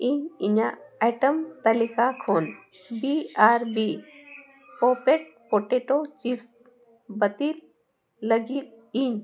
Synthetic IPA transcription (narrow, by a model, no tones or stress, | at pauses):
iɲiɲaajʈəmt̪ɐlikakʰon | biaɾbi | popeʈ̚poʈeʈot͡ɕifs | bət̪ilː | əɡiːt̪̚ | iɲ